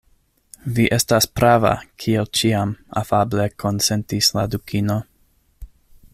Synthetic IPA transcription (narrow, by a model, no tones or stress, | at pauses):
viʔe̞staspɾava̰kʰielt͡ʃiama̰fable̞kʰo̞nse̞ntisladukʰino̞